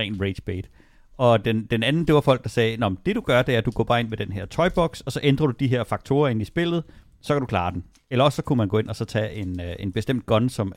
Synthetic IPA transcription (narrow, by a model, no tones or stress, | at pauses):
ʁɛ̰ːnʁe̥sb̥ed̥ | ɒ̽d̥end̥enænn̩d̥e̝ʋɑ̈fɒ̽l̰ɡ̥̚d̥ɑ̈sɛːnɒmnd̥e̝d̥uɡ̥ɶɐd̥e̝æɐd̥uɡ̥ɔ̰ːb̥ɑ̈ːe̝nmed̥enɦeɐ̰t͡sʰɒ̽ɪb̥ɒ̽ɡ̥sɒ̽sɒ̽ʔend̥ʁɐɾ̥ud̥iɦeɐfɑ̈ɡ̥̚t͡sʰo̝ːɐe̝nisb̥e̝l̰ð̞̩ˠ | sɒ̽kʰæd̥ɾukʰlɑ̈ːden | elɐɒ̽sːɒ̽kʰunmænɡ̥o̽ːe̝nʔɒsɒ̽t͡sʰɛ̰ʔe̝ne̝nb̥e̝sd̥em̰d̥̚ɡ̥ɒ̽nsɒ̽m